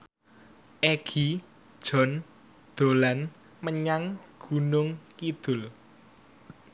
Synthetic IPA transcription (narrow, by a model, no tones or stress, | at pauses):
ʔeɡ̥i̥ | ʒ̥ɔ̤n | d̪̥o̤lan | məɲaŋɡ̥unʊŋkid̪̥ʊ̤l